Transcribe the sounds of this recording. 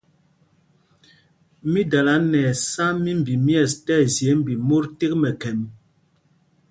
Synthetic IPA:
mi˦da˨la˨˦nɛː˨sa˦mi˦m̩˨bi˨mjɛ˦˨stɛ˦˨zje˨˦m̩˦˨bi˨mo˦ɾte˦k̚mɛ˨kɛ˨m

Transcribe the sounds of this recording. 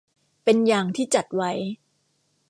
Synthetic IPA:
pe˧njaː˧˩ŋt̪ʰiː˥˩t͡ɕa˨˩t̪̚wa˦˥j

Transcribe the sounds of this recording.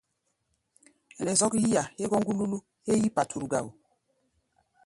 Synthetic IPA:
ɛ˨nɛ˨zɔ˦kji˦ja˨he˦ɡɔ˦ŋɡu˦lu˦lu˦ | he˦ji˦pa˨tʰu˨ɾu˨ɡa̰˦˨w

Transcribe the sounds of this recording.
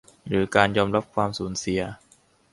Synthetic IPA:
ɾɯː˩˦kaː˧njɔː˧mɾa˦˥p̚kʰwaː˧msuː˩˦nsi˨˩˦ɐ

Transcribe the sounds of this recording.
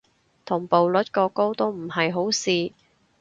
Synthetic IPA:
t̪ʰʊ˨˩ŋpo˨wlɵ˨˥t̚kɔː˧ko˥wt̪o˥wm̩˨˩hɐ˨jɦo˨˥wsiː˨˧

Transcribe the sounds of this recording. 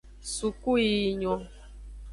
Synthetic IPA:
su˨ku˦i˨ɲɔ̃˨

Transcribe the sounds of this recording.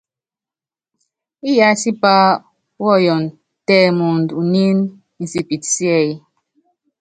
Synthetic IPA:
i˦ja˦si˦pa˦ | wɔ˦˨jɔ˨n | tɛ˦mu˨n˨du˨ni˦n˦ | n̩˨si˦pi˨tsi˦ɛ˦˨i˦

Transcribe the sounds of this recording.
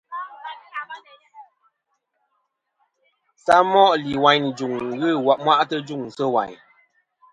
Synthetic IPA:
sa˦mɔ˦ʔli˨wa˨˦ɲ˨d͡ʒu˨ŋ˨ɣɨ˦˨wa˨p̚mwa˦ʔtə˦d͡ʒu˦˨ŋ˨sə˦wa̰˨ɲ

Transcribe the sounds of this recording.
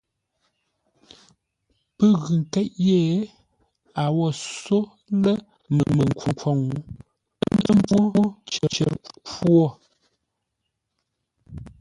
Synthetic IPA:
pə˦ɣʉ˨ŋ˨kɛ˦ʔje˦˨˦ | a˨wɔ˨so˦ | lə˦ | mə˨mə˨ŋ˨ku˨kwɔ˨ŋu˨˦ | n˦də˦m˦bu˦t͡ʃə˨t͡ʃɛ̰˨ɾkwɔ˦˨

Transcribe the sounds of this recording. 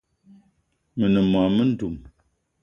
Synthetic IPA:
mə˨nə˨m˨a˨mə˦n̩˦du˨m

